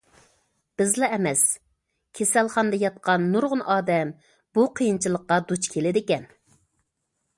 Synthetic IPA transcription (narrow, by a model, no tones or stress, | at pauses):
b̥ɪzlɛɛmɛs | kʲʰesælˠχɑnd̪ɑjɑt̪̚qʰɑnːuɾʁʊnʔɑːd̪ɛm | b̥uqʰijint͡ʃʰɨlˠəqːɑd̪ut͡ʃkʲʰelɪd̪ɪkʲɛn